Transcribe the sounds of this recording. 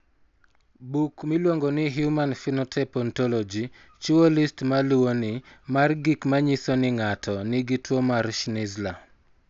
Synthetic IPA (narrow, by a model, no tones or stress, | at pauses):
bukmilwoŋɡɔnɪɦjumanfinɔtʰɛpɔntɔlɔd͡ʒi | t͡ʃuolistmaluwonɪmarɡikmaɲisonɪŋatʰɔnɪɡitwomarʃnɪzla